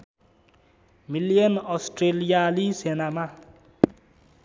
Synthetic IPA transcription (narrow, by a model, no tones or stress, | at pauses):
milijʌnɔsʈrelijalisenama